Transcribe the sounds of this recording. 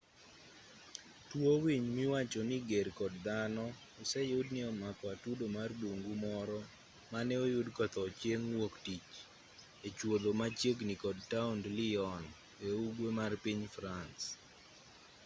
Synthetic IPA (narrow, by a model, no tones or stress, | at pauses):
twowiɲmɪwat͡ʃɔniɡerkɔdd̪anɔː | sɛjʊdniɔmakɔatudomardoŋɡumɔɾɔ | manɛojʊdkɔt̪ɔt͡ʃjeŋwoktit͡ʃ | et͡ʃwod̪omat͡ʃjeɡnikɔd̚taʊndliɔn | euɡwemarpiɲfɾans